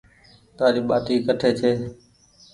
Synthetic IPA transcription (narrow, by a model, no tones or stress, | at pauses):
t̪aːɾiːɓaːt̪iːkəʈʰeːt͡ʃʰeː